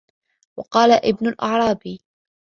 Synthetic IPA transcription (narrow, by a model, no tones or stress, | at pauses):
wɑqɑːlaʔɪbnʊlʔɑʕɾˤɑːb